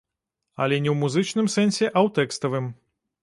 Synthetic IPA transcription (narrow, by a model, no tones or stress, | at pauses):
ɐ̰lʲɛnʲɛwmuzɨt͡ʂnɨmsɛnʲsʲɛʔɐwt̪ɛkst̪ɐvɨm